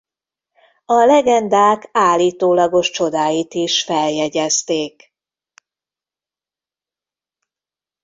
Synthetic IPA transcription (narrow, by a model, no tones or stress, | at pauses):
ɒlɛɡɛnd̪aːkaːlːiːt̪oːlɒɡo̞ʃt͡ʃo̞d̪aːjit̪iʃfɛljɛɟɛst̪eːk